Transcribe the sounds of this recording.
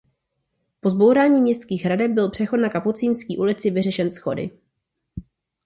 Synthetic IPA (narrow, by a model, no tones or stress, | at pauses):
po̞zbo̞wɾaːɲiːmɲɛst̪kiːxɦɾadɛp̚bɪlpr̥ɛxo̞tnakaput͡siːnskiːʔulɪt͡sɪvɪrɛʃɛnsxo̞̰dɪ̰